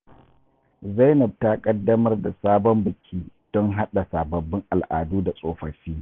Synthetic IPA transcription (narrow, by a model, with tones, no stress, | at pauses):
zɐ˦jnɐ˨b̚taː˦kʼɐ˦dːɐ˦mɐ˦rda˨saː˦bɔ˦mbɪ˨kʲʰiː˦ | d̥ɔ˦ŋɦa˦ɗa˨saː˨bɐ˨bːɪ˦ŋʔa˨lʔa̰ː˨duː˦da˨sʼoː˨ɸɐ˨ɸiː˦